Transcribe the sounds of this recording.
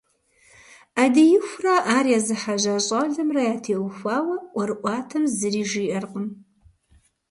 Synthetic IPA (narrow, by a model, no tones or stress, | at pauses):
adijɪxʷraʔaːriazɨħaʒʷaɕʼaɮɐmrajaːtʰeːwxʷaːwɐʔʷɐrɨʔʷɑːtʰɐmzɨriːʒiʔɐrqʷʼʊn